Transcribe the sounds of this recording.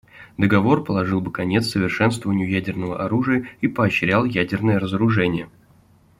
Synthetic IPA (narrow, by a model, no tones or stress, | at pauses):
d̪əɡɐvo̞rpəlˠɐʐɨlˠbɨkɐnʲe̞t̪sːəvʲɪrʂɛnst̪vəvənʲɪjʊjædʲɪrnəvə̰ʔɐɾuʐɨjəipəɐɕɾʲalˠjædʲɪrnəjəɾəzəɾʊʐɛnʲɪjə